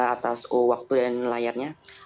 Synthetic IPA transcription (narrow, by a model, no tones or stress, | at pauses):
at̪asowak̚t̪udanlajarɲa